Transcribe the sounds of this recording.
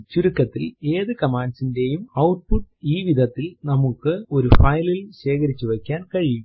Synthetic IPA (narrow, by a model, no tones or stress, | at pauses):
t͡ɕuɾukːɐt̪ːile̞ːðɨkɐmaːnɖsinde̞jumɐwʈ̚puʈːiːʋid̪ʱɐt̪ːilnɐmukːɨo̞ɾufɐjlilɕe̞ːkɐɾit͡ɕːuʋekʲːaːnkɐɻijum